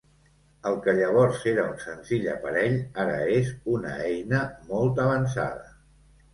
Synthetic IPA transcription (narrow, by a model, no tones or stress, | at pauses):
əlˠkəʎəβ̞ɔɾseɾəunsənziʎə̰pəɾɛʎaɾə̰ezunə̰ɛjnəmɔlˠt̪əβ̞ənsa̰ðə